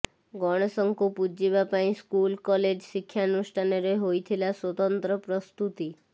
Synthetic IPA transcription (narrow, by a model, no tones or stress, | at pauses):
ɡɔɽ̃ɔsɔŋkupud͡ʒibapaĩskulkɔled͡ʒsikʰːjanusʈʰanɔɾɔɦojt̪ʰilaswɔt̪ɔnt̪ɾɔpɾɔst̪ut̪i